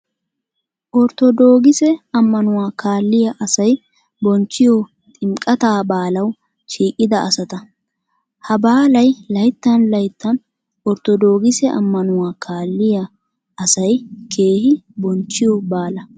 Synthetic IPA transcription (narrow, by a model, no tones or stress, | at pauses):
ʔɔɾt̪ɔd̪oːɡɪsɛɐmːɐnʊwaːkʰaːlːɪjɐʔɐsɐj | bɔnt͡ʃːɪjɔ | t̪ʼɪmkʼɐt̪aːbaːlɐw | ʃiːkʼɪd̪ɐʔɐsɐt̪ɐ | hɐbaːlɐjlɐjt̪ːɐnlɐjt̪ːɐn | ɔɾt̪ɔd̪o̞ːɡɪsɛʔɐ̰mːɐnʊwaːkʰaːlːɪjɐ | ɐsɐjkʰe̞ːhɪbɔnt͡ʃːɪjɔbaːlɐ